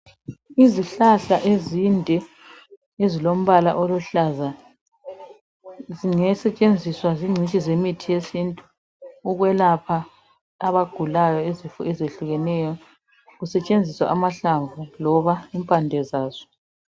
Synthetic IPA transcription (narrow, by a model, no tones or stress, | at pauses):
iziɬaɬaʔezindʱɛ | ezilom̩βalaʔoluɬaza | ziŋɛsɛt͡ʃʼend͡zʱiswaziŋ͡ǀʱit͡ʃʼizemitʰijesintʼuː | ɣwɛlapʰaː | βaɡ̥ʱulajɔezifɔ̰ɛzeɬuɣɛnɛjɔ | ɣusɛt͡ʃʼend͡zʱiswa̰ʔamaɬaɱvulɔβaimpʼandʱɛzaːz̥ɔ̥